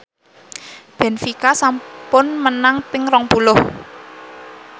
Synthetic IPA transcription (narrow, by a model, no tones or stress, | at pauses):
b̥ɛ̤nfikasampʊnmənaŋpɪŋrɔŋpulʊh